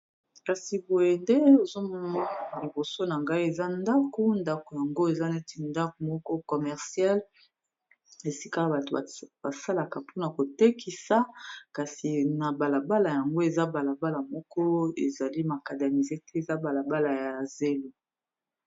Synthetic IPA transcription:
ka˨si˨bo˨je˨nde˦e˨zo˦mɔ˦ma˦˨li˨bo˨so˦na˨ŋɡa˦i˦e˨za˦nda˦ku˦nda˦ko˨ja˨ŋɡo˦e˨za˦na˦ti˨nda˦ko˨mɔ˦kɔ˦kɔ˨mɛ˨ʁsja˦l | e˨si˦ka˦ba˨to˨ba˨sa˦la˨ka˨po˦na˨ko˨te˦ki˨sa˨˦ka˨si˨na˨ba˨la˨ba˦la˨ja˨ŋɡo˦e˨za˦ba˨la˨ba˦la˨mɔ˦kɔ˦e˨za˨li˦ma˨ka˨da˨mi˨ze˦tɛ˦e˨za˦ba˨la˨ba˦la˨ja˨ze˦lu˦

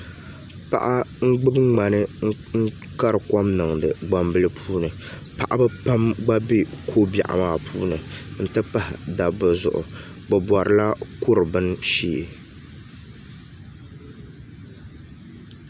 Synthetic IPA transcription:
pa̰˨ʔa˦ŋ̩˦ɡ͡bɨ˦bŋ͡ma˨nɨ˦ŋ̩˦ | ŋ̩˦ | ka˦ɾɨ˨kɔ˦mnɨ˨ŋdɨ˨ɡ͡ba˨mbɨ˦lɨ˦pʰuː˦nɨ˨ | pa˨ʔa˦bɨ˦pa˦mɡ͡ba˦bi˦kʰoː˦ba̰˨ʔa̰˨maː˦˨pʰuː˦nɨ˨n̩˦tɨ˦pa˦hɪ˨da˨bɨ˨zʊ̰˨ʔʊ̰˨ | ɡ͡bɨ˨bwɔ˨ɾɨ˨la˦kʊ˦ɾɨ˨bɨ˦n˦ʃiː˦˨

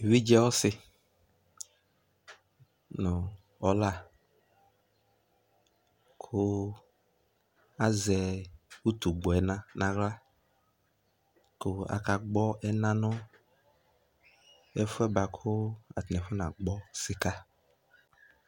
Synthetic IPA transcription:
wi˦d͡ʒɛ˦wɔ˦sɪ˦ | nʊ̃˨ | ɔ˨la˦ | kʰʊ˦ | a˦zɛ˨wu˦t̪u˨ɡ͡bɔ˨ɛ˨nã˨nã˨ɣla˦ | kʊ˦a̰˨ka˨ɡ͡bɔ˦ʔɛ˦nã˦nʊ̃˦ | ɛ˦fʊ˦ɛ˦ba˨kʰʊ˦a̰˨t̪nɛ̃˨fʊ˦nã˨ɡ͡bɔ˦sɪ˨ka˦

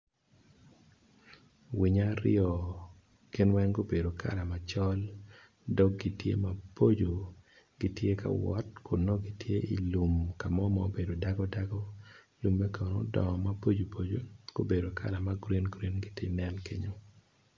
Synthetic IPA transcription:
wi˨ɲa˦ɾɪ̰ɔ˨ | ɡ̥ɪ˦nwɛ˦ŋɡo˦be˨do˨kʰa̰˨la˨ma˨t͡ʃɔ˦l | dɔ˦k̚ɡi˨tjḛ˦ma˨po˦d͡ʒo˨ | ɡ̥i˦tje˦ka̰˨wɔ̰˦tkʰʊ˨nɔ˦ɡi˦tje˦i˨lu˨mka˨mɔ˦mɔ˦be˨do˨da˦ɡɔ˦da˦ɡɔ˦ | lu˨mːɛ˦ka˨no̰˦dɔ̰˨ma˦po˦d͡ʒo˨pʰo˨d͡ʒo˦ɡ̥o˦be˨do˨kʰa̰˦la˨ma˦ɡɾi˦nɡɾi˦nɡɪ˦tɪ̰˦nɛ˦nke˦ɲo˦

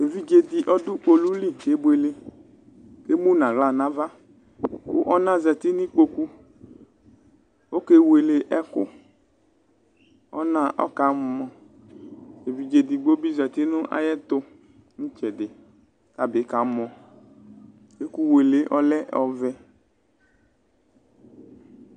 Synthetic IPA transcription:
e˨vi˦d͡ʒe˨di˨ʔɔ˦dʊ˦k͡po˨lu˦li˦ke˨˦be˨le˨ | ke˦mũ˦nã˨ɣla˦˨nã˨˦va˦ | wo̰˦ʔɔ˦nã˦zɛ˨t̪i˦nĩ˦k͡po˦ku˦ | wo˦ke˦we˨le˨ʔɛ˦kʊ̰˦ | ɔ̰˦nã˦ʔɔ̰˦ka˨˦mɔ̃˨ | e˨vi˨d͡ʒe˨d̪i˨ɡ͡bo˦bi˦zɛ˨t̪i˦nʊ̃˦ʔa̰˨jɛ˦t̪ʊ˦ | ŋ̩̃˦t͡ʃɛ˨dɪ˨ | ka˨be˨˦ka˨˦mɔ̃˨ | ke˦ku˦we˨le˨ʔɔ˦lɛ˦ɔ˨vɛ˦

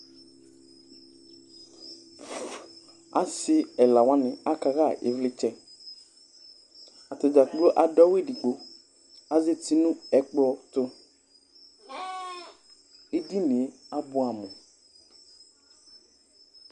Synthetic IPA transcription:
a̰˦sɪ˦ɛ˨la˨wã˦nɪ̃˨a˦ka˨ɣa˦˨ʔḛ˨˦vlɪ˦t͡ʃɛ˦ | a˨t̪ʊ˨d͡ʒa˨k͡plo˦ʔa˨ɖɔ˦we˦˨di˨ɡ͡bo˨ | a˨ze˦t̪i˦nũ˦ɛ˦k͡pɔ˦t̪ʊ˦ | e˦di˦ne˨˦a˦bʊ˦a˨mɔ̃˨

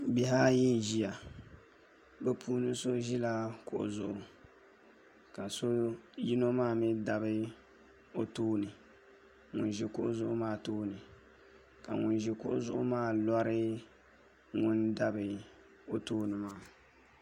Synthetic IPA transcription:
bi˦ɦa˦ji˦n˨ʒi˦ja˨ | bɛ˦pʰuː˦nɨ˦so˦ʒi˦la˦kʊ˨ʔʊ̰˨zʊ˨ʔʊ˨ | ka˨so˦ji˦no˦maː˦˨mi˦da˨bɨ˦ | o˦toː˦nɨ˨ | ŋʊ̰˨n˨ʒi˨kʊ˦ʔzʊ˦ʔʊ˦maː˦˨toː˦nɨ˨ | ka̰˨ŋʊ˨n˦ʒi˨kʊ˦ʔʊ˦zʊ˦ʔʊ˦maː˦˨lɔ˦ɾɪ˦ | ŋʊ˦nda˦bɨ˨ | o˦toː˦nɨ˨maː˦˨

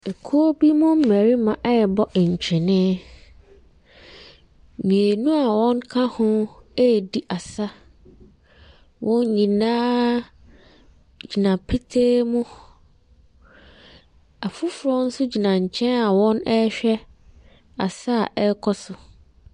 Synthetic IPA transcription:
e˨kʰu˦o˦bi˦mʊ̃˦m̩˦mæ˨ɾi˦mã˨ʔɛ˦˨bɔ˦ʔɲ̩˨t͡ɕᶣʰɪ˨nɪ̃˦ | mĩ˨e˨nũ˦a˨wɔ̃˦ŋkʰa˦hʊ̃˦e˦˨di˦ʔa˨sa˦ | wʔɔ̃˦ɲ˦ɲĩ˨nãː˦ | d͡ʑi˨nã˨pʰi˦tʰeː˦mʊ̃˦ | a˨fʊ˦fʊ˨ɾɔ˦n̩˦sʊ˦d͡ʑi˨nã˨ɲ̩˨t͡ɕʰɛ̃˦na˨wɔ̃˦nɛ˦ɕᶣɛ˦ | a̰˨sa˦˨ʔɛ˦kʰɔ˦sʊ˨

